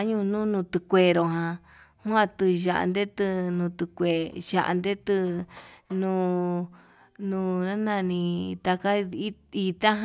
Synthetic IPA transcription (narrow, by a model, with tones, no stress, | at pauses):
ɲũ˦˧nũ˦nũ˧t̪ɨ˧kʷe˧ɾo˧ɦã˧ | hũ˦ã˧t̪ɨ˧ʒa̰˧ʔa̰˧nd̪e˦t̪ɨ˧nũ˧t̪ɨ˧kʷe˨ʒa̰˧ʔa̰˧nd̪e˦t̪ɨ˧ | nũː˧ | nũ˧nã˦nã˧nĩ˧t̪a˧ka˦i˦i˧t̪ã˦ɦ